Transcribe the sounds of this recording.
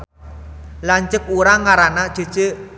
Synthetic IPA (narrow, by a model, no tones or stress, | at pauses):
laɲt͡ʃək̚uɾaŋːaɾanad̥ʒ̥o̤d̥ʒ̥e